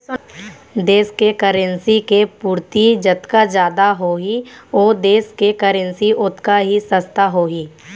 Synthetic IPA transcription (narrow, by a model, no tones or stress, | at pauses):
d̪eːskekəɾə̃nsikepuːɾt̪id͡ʒət̪kad͡ʒjaːd̪aɦoːɦioːd̪eːskekəɾə̃nsiʔʊt̪kaɦisəst̪aɦoːɦiː